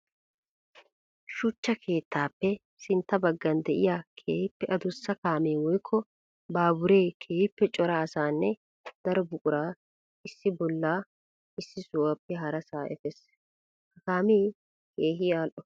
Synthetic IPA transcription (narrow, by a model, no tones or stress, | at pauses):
ʃʊt͡ʃːɐkʰe̞ːt̪ʰːaːpːɛ | sɪnt̪ːɐbɐɡːɐnd̪ɛʔɪjaːkʰeːhɪpːɛʔɐd̪ʊsːɐkaːmeːwɔjkʰːɔ | baːbʊɾe̞ːkʰeːhɪpːɛt͡ʃʼɔɾaːsaːnːɛ | d̪̥ɐɾɔbʊkʼʊɾaː | ɪsːɪbɔlːaː | ɪsːɪsʊwɐpːɛɦɐɾɐsaːʔɛ̰fɛs | hɐkaːmeː | keːɦɪaːlʔɔ